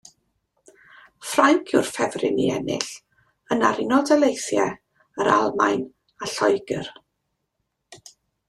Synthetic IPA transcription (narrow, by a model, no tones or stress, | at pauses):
fraŋkʰʊrfɛvrɪ̰nḭɛnɪ̰ɬ | ənaɾɪnɔdɛlˠejsjɛ | əɾa̰lˠmajn | aɬɔjɡər